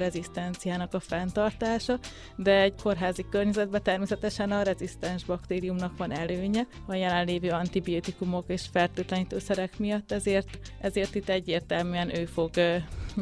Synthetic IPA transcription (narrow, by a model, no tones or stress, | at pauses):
ɾɛzist̪ɛnt̪sijaːnɒkɒfɛnt̪ɒrt̪aːʃɒ | d̪ɛɛɟkʰo̞rɦaːzikørɲɛzɛd̪̚bɛt̪ɛrmeːsɛt̪ɛʃɛnɒɾɛzist̪ɛnʒbɒkt̪eːɾijumnɒkʋɒnɛløːɲɛ | ɒjɛlɛnleːvøːɒnt̪ibioːt̪ikumo̞keːʃfɛlt̪øːt̪lɛniːt̪øːsɛɾɛkmijɒt̪ːɛzeːrt̪ɛzeːrt̪it̪ːɛɟːeːrt̪ɛlmyːɛnʔøːfo̞ɡ